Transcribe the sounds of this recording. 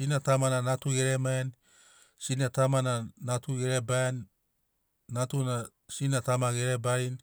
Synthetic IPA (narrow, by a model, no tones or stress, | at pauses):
sinatamananatuɡeɾeman | sinatamananatuɡeɾeban | atuna | sinatamaɡeɾebajn